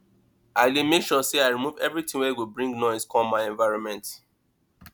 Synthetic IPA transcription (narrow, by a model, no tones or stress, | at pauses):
aɪlemekʃɔseaɪɹimuvɛ̰vɹitĩwɛwibɹĩŋɡnɔɪskʰɔmaɪɛ̃ɱvaɪɹɔ̃nmɛ̃nt